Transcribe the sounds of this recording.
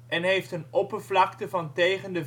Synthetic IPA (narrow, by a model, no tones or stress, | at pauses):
ʔɛnɦejftənɔpəɹvlɑktəvɑntejχəndə